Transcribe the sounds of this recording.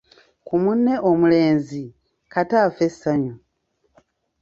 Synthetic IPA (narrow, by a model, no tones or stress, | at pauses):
kumunːe̞ʔomule̞ːnzi | kataːfe̞sːaɲo